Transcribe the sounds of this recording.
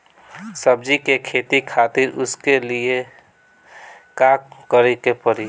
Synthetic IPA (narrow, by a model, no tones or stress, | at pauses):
səb̚d͡ʒikekʰeːt̪ikʰaːt̪ɪɾʊ̰skelie | kaːkkəɾekepəɾi